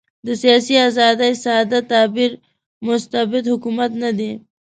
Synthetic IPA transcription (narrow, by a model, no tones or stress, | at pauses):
d̪əsijaːsiazɑːd̪ajsaːd̪at̪aːbiɾ | mʊst̪abɪd̪hʊkumat̪nad̪i